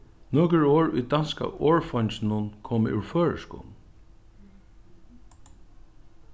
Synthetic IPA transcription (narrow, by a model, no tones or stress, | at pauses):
noːkɹoːɹʊ̰jd̪anska̰ʔoːɹfɔɲsnʊnkʰɔːmʉ̰ɹføːɹə̰skṵːln